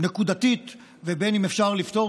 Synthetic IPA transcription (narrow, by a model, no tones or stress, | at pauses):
nekud̪at̪it̪ | vebenimefʃaʁlift̪o̞